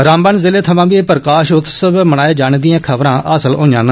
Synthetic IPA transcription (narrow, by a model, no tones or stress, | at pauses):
ɾãːmbəːnzɪːleːt̪ʰəʋãːʋipəɾəkaːʃʊt̪ʰːsəbməɽaːeːd͡ʒaːñeːd̪ijãːkʰəbɾãːʔaːsəlõːãːnə